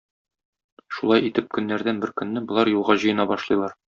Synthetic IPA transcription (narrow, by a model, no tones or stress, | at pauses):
ʃulˠɑjit̪ɘp̚kɵ̆nːæɾd̪ænbɘɾkɵ̆nːɘbŏlˠɑɾjulˠʁɑʑɤ̆jɤ̆nɑbɒʃlˠɤ̆jlˠɑɾ